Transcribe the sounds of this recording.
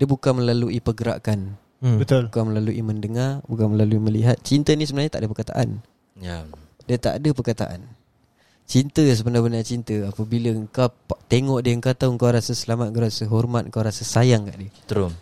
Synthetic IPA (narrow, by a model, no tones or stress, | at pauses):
diəbukaməlaluipəɡəɾa̰ʔkan | bət̪ʊlbukaməlaluʔiməndəŋarbukanməlaluiməliɦat̪̚t͡ʃint̪ənĩsəbənaɲat̪aʔadəpərkat̪a̰ʔa̰n | ja | diət̪a̰ʔdəpərkat̪a̰ʔa̰n | t͡ʃint̪əs̬əbənabənat͡ʃint̪əapəbiləəŋkawat̪eŋɔʔdiəəŋkat̪auəŋkawɾasəsəlamat̪̚ŋkawɾasəɦɔrmat̪̚ŋ̩kawɾasəsajaŋka̰ʔdiət̪əɾʊm